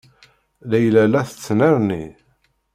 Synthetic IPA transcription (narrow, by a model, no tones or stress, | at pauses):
læjlælæθə̥t͡sːnəɾni